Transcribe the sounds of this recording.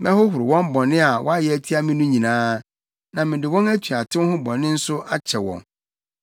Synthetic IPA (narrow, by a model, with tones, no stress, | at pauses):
mɛ̃˦hʊ˦ɦʊ˨ɾɪ˨wɔ̃˦m˦bɔ̃˨nɪ̃˦a˨wʔɔ˦a˦jɛ˨æ˦tʰi˦a˦mɪ̃˦nũ˦ɲĩ˨nãː˦ | nã˨mɪ̃˨dɪ˨wɔ̃˦næ˦tʰu˨a˨tʰɪ̃˦whʊ̃˦bɔ̃˨nːɪ̃˦n̩˦sʊ˦a˦t͡ɕʰɛ˨wɔ̰̃˨n